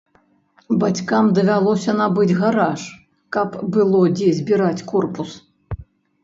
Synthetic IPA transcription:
bat͡sʲkamd̪ɐvʲalˠɔsʲɐnabɨd͡zʲɣaɾaʂ | kɐpbɨlˠɔd͡zʲɛzʲbʲiɾat͡sʲkɔrpus

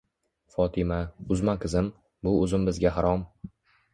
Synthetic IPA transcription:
fɒt̪ʰɪmaʊzmaqʰɨzɪm | bʊɵzɪmbɪzɡʲaɦaɾʔɒm

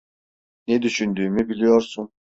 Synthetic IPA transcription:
nɛd̪yʃynd̪yːmybilʲijoɾsun

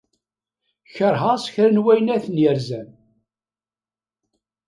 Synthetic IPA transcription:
çəɾˤɦaʁsə̥çɾənwæjnæθənjəɾzæn

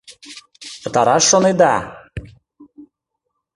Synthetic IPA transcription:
pə̆t̪ɑɾɑʃːoned̪ɑ̰

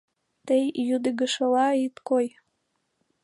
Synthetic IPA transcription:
t̪əjːud̪ə̆ɣəʃəlɑit̪koj

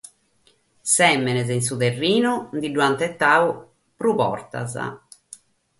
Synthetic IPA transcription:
sɛmːɛnɛzins̬ut̪erːiːnund̪iduant̪ɛt̪ːaːu | pɾupɔ̰rt̪a̰za̰

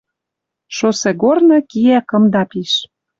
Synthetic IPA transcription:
ʃosĕɡornɤ̆kijækɤ̆md̪ɑpiʃ

